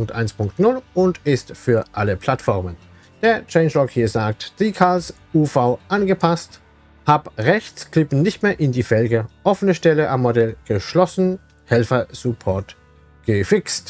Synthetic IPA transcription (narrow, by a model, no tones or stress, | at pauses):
ʊŋk̚tʔa̰ɪnspʰʊŋktnʊlʊntɪstfyːɐʔaləpʰl̥atfɔʁmən | d̥eːɐt͡ʃɛɪnʃlɔkhiːɐzaːk̚td̥ikʰaːls | uːfaʊʔanɡəpʰast | haːbʁɛçt͡skʰl̥ɪpn̩nɪçtmeːɐʔɪndiːfɛlɡəʔɔfənəʃtɛləʔamːodɛlɡ̥əʃlɔsn̩ | hɛlfɐz̥ʊpʰɔɐt | ɡ̥əfɪkst